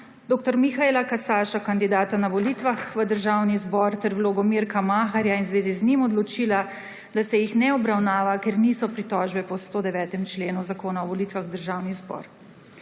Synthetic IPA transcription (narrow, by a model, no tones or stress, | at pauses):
d̪oːk̚t̪ɔɾmixaelakasaːʃakand̪id̪aːt̪anaʋɔliːt̪ʋaxʋəd̪əɾʒawnizbɔɾt̪ɛɾwloɡɔmiɾkamaːxaɾjainzʋeːziznimɔd̪lɔt͡ʃiːla | d̪asɛjixnɛɔbɾawnaːʋakeɾniːsɔpɾit̪ɔʒbɛpɔst̪oːd̪ɛʋɛːt̪ɛmt͡ʃleːnuzakoːnaɔʋɔlit̪ʋaxd̪əɾʒaːwnizbɔ̰ɾ